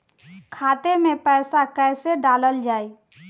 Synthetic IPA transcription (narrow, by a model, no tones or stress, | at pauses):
kʰaːt̪emẽpɛːsakɛːseɖaːləld͡ʒaːiː